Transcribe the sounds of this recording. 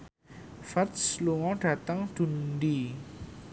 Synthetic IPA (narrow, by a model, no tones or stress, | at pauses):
fɛrt̪sluŋɔɖ̥ä̤t̪əŋd̪̥ṳndi